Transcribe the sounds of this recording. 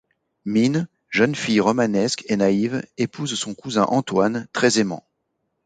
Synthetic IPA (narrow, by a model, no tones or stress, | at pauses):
min | ʒənfijʁɔmanɛskʰenaivepʰuzsɔ̃kuzɛ̰̃ʔɑ̃t̪want̪χɛzemɑ̰̃